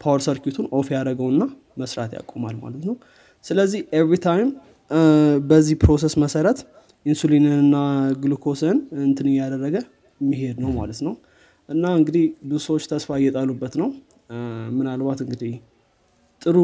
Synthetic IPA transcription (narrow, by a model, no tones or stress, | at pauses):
pʰawəɾsəɾkut̪ʰunʔofjaɾəɡəwɨnːa | məsɾa̰t̪ja̰kʼoma̰lma̰lət̪nəw | sɨləzːihʔevɾit̪ʰajm | bəzːihpʰɾo̞s̬esməsəɾət̪ | ʔinsulinɨnɨnːaɡɨlukʰo̞sənɨnt̪ʰɨnɨjad̪ərːəɡə | mːiɦe̞d̪nəwma̰lət̪nəw | ʔɨnːaɨŋɡɨd̪ihbɨsəwot͡ʃːt̪ʰəsfajːɛt̪ʼalubːət̪nəw | mɨnalbat̪ɨŋɡɨd̪ih | t̪ʼɨɾu